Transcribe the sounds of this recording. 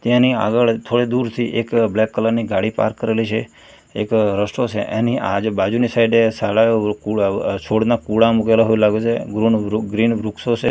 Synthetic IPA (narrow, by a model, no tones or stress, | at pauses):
t̪jãnia̰ɡəɭt̪ʰoɽed̪uɾt̪ʰiʔekblekːələɾniɡaɽipa̰ɾkːəɾelit͡ʃʰe | ekɾəsʈot͡ʃʰḛʔeniʔad͡ʒbad͡ʒunisaɪɖesaɭajokut͡ʃʰoɽnakuɽamuk̬elaɦoilaɡot͡ʃʰeɡɾunɡɾinʋɾuksot͡ʃʰe